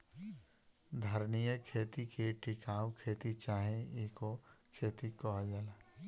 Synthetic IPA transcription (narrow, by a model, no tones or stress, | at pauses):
d̪ʱɐɾnijəkʰeːt̪ikʰeʈɪkaːwkʰeːt̪it͡ʃaːɦẽikokʰeːt̪ikɔɦjɐla